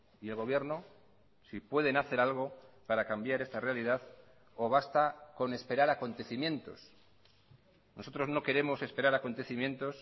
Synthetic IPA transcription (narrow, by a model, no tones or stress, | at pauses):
ie̞lɣo̞βje̞ɾno | sipwe̞ð̞e̞naθe̞ɾalɣ̞o̞paɾakambjaɾe̞st̪arealiðað | o̞βast̪ako̞ne̞spe̞ɾaɾako̞nt̪e̞θimjẽ̞nt̪o̞̰s | nʔo̞so̞t̪ɾo̞zno̞ke̞ɾe̞mo̞sespe̞ɾaɾako̞nt̪e̞θimjẽ̞nt̪o̞s